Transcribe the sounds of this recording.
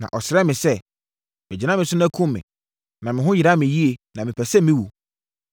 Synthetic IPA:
nã̰˨ʔɔ̰˨sɪ˨ɾɛ˦mɪ̃˨sɛ˦ | mɪ̃˨d͡ʑi˨nã˦mɪ̃˨sʊ˦næ̃˦kʰũ˦mː˦ɪ̰̃˨ | nã˨mɪ̃˨ɦʊ̃˦jɪ˨a˦mɪ̃˨ji˦e˨nã˨mɪ̃˨pʰɛ˨sɛ˦mɪ̃˦wu˨

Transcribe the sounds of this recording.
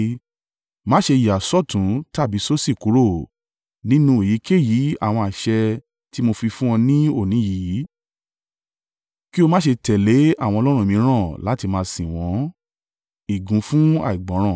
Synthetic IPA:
mãː˦ʃe˧ji˨a˨sɔ˦˨tũ˨˦ta˦˨bi˨˦so˦si˦˨ku˨˦ɾo˦˨ | nĩ˦nũ˧e˨ji˨˦kʰe˦˨ji˨˦a̰˦˨w̃ɔ̃˧a˨ʃɛ˧ | ti˦mo˧fi˧fũ˦w̃ɔ̃˧nĩ˦o˦˨nĩ˨˦ji˨˦ | ki˦o˧mãː˦ʃe˧tɛ˨le˨˦a˦˨wɔ̃˧lɔ˦ɾ̃ũ˦˨mĩ˨˧˦ɾ̃ã˦˨la˨˦ti˧mã˧sĩ˨w̃ɔ̃˨˦ | i˨ɡũ˨˦fũ˦a̰˦˨i˨ɡ͡bɔ̃˨˦ɾ̃ã˦˨

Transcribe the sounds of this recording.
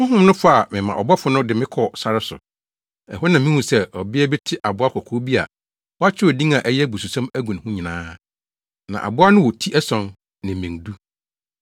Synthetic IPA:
hʊ̃˦ɦʊ̃˦mnʊ̃˦fʊ˦a˨mɪ̃˨mã̰˨ʔɔ˨bɔ˦fʊ˦nʊ̃˦dɪ˨mɪ̃˦kʰɔ˨sa˨ɾɪ˦sʊ̰˨ | ɛ̰˨hʊ˦nã˨mĩ˦hũ˨sɛ˦ɔ˨bɪ˦ɛ˦bɪ˦tʰɪ˦ʔa˨bʊ˦a˦kʰɔ˨kʰo˦bi˦a̰˨ | wɔ˦a˦t͡ɕʰᶣɪ˦ɔ˨dĩ˦ŋa˨ʔɛ˦jɛ˦bu˨su˨sã˦mæ˦ɡũ˨n˨hʊ̃˦ɲɪ̃˨nãː˦ | nã̰˨ʔa̰˨bʊ˦a˦nʊ̃˦wɔ˨tʰi˦ʔɛ˦sɔ̃˨n | nɪ̃˨mɪ̃˨ndu˦

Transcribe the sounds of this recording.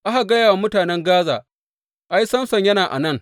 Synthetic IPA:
ʔa˦ha˨ɡɐ˦jaː˨wa˨mʊ˦taː˨nɛ˦ŋɡaː˦za̰ː˨ | ʔa˦jsɐ˦msɐ˨ɲjɐ˦naː˨ʔa̰˨nɐ˦˨ŋ

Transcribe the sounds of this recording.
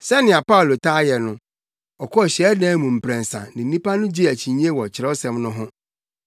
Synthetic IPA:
sɛ˦nɪ̃˨a˨pa˦o˨lo˨tʰa˦jɛ˨nʊ̃˦ | ɔ˨kʰɔ˦˨ɕɛ˨˦dɛ̃ː˦mũ˨m̩˨pʰɾɛ̃˨n̩˨sã̰˨nɪ̃˨n̩˦nĩ˦pa˦nʊ̃˦d͡ʑi˦æ˨t͡ɕʰi˨ɲ˦e˦wɔ˨t͡ɕʰɪ˨ɾɛ˦ɔ˦sɛ̃˨mnʊ̃˦ɦʊ̃˦

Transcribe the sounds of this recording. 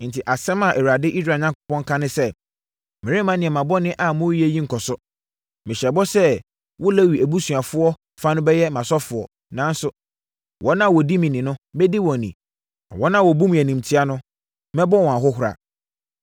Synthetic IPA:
n̩˨tʰɪ˨ʔa˨sɛ̃˦mã˨ʔɛ˨wɾa˨dɪ˦ʔi˦s̬ɾaː˨ɲã˦ŋkʊ˦pɔ̃˦ŋkʰã˦nɪ̃˦sɛ˦ | mɪ̃˨ɾɪ˦mã˦nɪ̃˨ɛ˨mã˨bɔ˦nɪ̃˦ʔa˨mʊ̃˦ɛ˦jĩ˦ŋ̩˨kʰɔ˨sʊ˦ | mɪ̃˨ɕɛ˨bɔ˦sɛ˦ | wɔ˦læ˦wi˨æ˨bu˦su˨a˨fʊ˦ɔ˦ | fa˦nʊ̃˦bɛ˦jɛ˦mã˨sɔ˦fʊ˨ɔ̰˨ | nã˦n˦sʊ˦ | wɔ̃˨˦nã˦wɔ˨di˦mɪ̃˨nɪ̃˨nʊ̃˦bɛ˦di˦wɔ̃˨nḭ̃˨ | a˨wɔ̃˦nã˦wɔ˨bu˦m̃˨æ˨nĩ˨m̩˨tʰi˦a˦nʊ̃˦ | mɛ̃˦bɔ˦wɔ̃˨a˨ɦʊ˦ɦʊ˨ɾa̰˨

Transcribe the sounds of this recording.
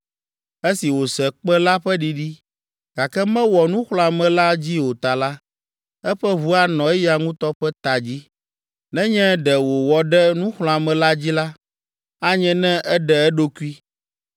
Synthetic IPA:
e˦si˨wo˨sɛ˨k͡pɛ˦la˦ɸɛ˦ɖi˦ɖi˦ | ɡ̥a˨kɛ˦mɛ̃˦wɔ˨nũ˦xl̃ɔ̃˨a˨mɛ̃˨la˦d͡ʑi˦wo˨t̪a˨la˦ | ɛ˦ɸɛ˦βu˦a˦nɔ̃˨ɛ˦ja˨ŋũ˦t̪ɔ˦ɸɛ˦t̪a˨d͡ʑi˦ | nɛ̃˦ɲɛ̃˦ɖɛ˨wo˨wɔ˨ɖɛ˦nũ˦xl̃ɔ̃˨a˨mɛ̃˨la˦d͡ʑi˦la˦ | a˦ɲɛ̃˦nɛ̃˦ʔɛ˦ɖɛ˨ɛ˦ɖo˦ku˦i˦

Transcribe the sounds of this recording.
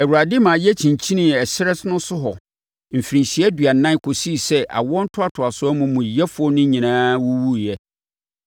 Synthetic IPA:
ɛ˨wu˨ɾa˨dɪ˦mãː˨jɛ˦t͡ɕʰĩ˨ɲ˨t͡ɕʰi˦nĩ˨ɛ˨sɪ˦ɾɛ˦snʊ̃˦sʊ˦ɦɔ˨ | m̩˨fi˨ɾĩ˨ɕi˨˦ɛ˦dɥa˨nã˦kʰo˨si˦˨sɛ˦ʔa̰˨wɔ˦n̩˦tʰʊ˦a˨tʰʊ˨a˨sʊ˦ɔ˦mũ˨mũ˨jɛ˦fʊ˨ɔ˦nʊ̃˦ɲĩ˨nãː˦wu˦wu˦jɛ˦

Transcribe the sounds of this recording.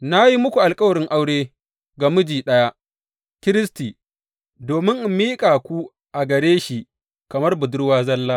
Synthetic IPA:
na˦ji˦mʊ˦kʷu˨ʔa˨lkʼɐ˦wɐ˨ɽɪ˦ŋʔa˦wɽeː˦ | ɡa˨mʊ˦d͡ʒiː˨ɗɐ˦ja˦ʔ | kʲɪ˦ɾɪ˦stiː˨ | doː˨mɪ˦ŋʔmːiː˦kʼaː˨kʷu˦ | ʔa˨ɡɐ˨ɾeː˦ʃi˨ʔ | kɐ˨mɐ˦rbʊ˨dʊ˦rwaː˦zɐ˦lːaː˦

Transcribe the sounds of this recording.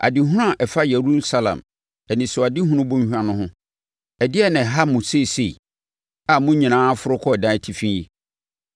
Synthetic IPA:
ʔa̰˨dɪ˨ɦʊ̃˦ʊ̃˦a˨ʔɛ˨fa˦je˨ɾu˦sa˨lã̰˨m | ɛ˨nɪ̃˨sʊ˨a˨dɪ˦ɦʊ̃˦ɾʊ̃˦bũ˦ɲ˦hᶣã˦nʊ̃˦hʊ̃˦ | ɛ˨dɪ˦ɛ˦˨nɪ̃˨ɦa˦mʊ̃˨se˦˨se˨i˨ | a˨mʊ̃˦ɲĩ˨nãː˦fʊ˦ɾʊ˦kʰɔ˦ɛ˨dã˦tʰi˨fĩ˦ji˦

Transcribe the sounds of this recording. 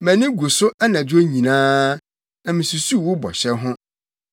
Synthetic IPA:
mɛ̃˨nɪ̃˦ɡu˨sʊ˦a˦nã˨do˦ɲĩ˨nãː˦ | æ˨mɪ̃˨su˨su˦˨wʊ˦bɔ̰˨ɕɛ˦ɦʊ̃˦

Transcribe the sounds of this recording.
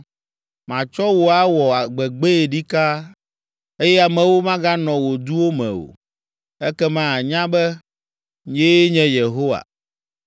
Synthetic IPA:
mã˨t͡ʃɔ˦wo˨a˨wɔ˨a˨ɡ͡bɛ˨ɡ͡be˦e˨ɖi˦ka˦ | e˦jɛ˦a˨mɛ̃˨wo˦mã˦ɡa˦nɔ̃˨wo˨d̪u˦wo˦mɛ̰̃˨o̰˨ | ɛ˦kɛ˦mã˦a˨ɲã˦bɛ˦ | ɲe˦ɲɛ̃˦je˨ɦo˦wa̰˨

